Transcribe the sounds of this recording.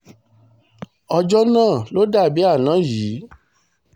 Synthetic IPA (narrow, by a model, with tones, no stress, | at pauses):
ɔ˧d͡ʒɔ˦nãː˦˨lo˦da˦˨bi˦a˦˨nã˨˦jiː˨˦